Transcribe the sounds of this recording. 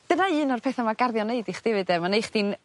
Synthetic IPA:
d̥ənaɨːnɔrpʰɛːθamaɡarðjɔneɨdiχd̥ɪvɨdɛmanejχd̥in

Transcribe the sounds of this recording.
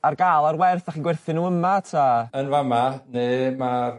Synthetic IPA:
arɡaːlˠarwɛrθaχiːnɡwɛrθɪnuəmatʰaənvamaneːmar

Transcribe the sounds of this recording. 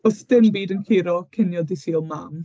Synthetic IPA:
ɔsd̥ɪnbiːdənkʰɪɾɔkʰɪnjɔdisiːlˠmam

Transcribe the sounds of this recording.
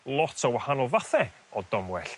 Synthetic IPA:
lˠɔtʰɔwahanɔlˠvaθɛ | ɔdɔmwɛɬ

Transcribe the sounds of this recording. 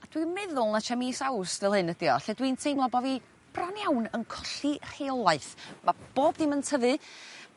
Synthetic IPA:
ad̥wimɛðʊlˠnat͡ʃʰamiːsawsvɛlˠhɨnəd̥iɔ̰ɬɛdwintʰejmlˠɔbɔvi | b̥ranjawnənkʰɔɬir̥eɔlˠaɨθmab̥oːb̚dɪməntʰəvɨ

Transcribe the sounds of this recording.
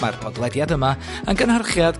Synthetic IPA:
ma̰rpʰɔdlˠɛdjadəma | anɡənharχjad̥

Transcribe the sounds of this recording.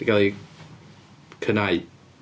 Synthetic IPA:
iɡalˠi | kʰənaj

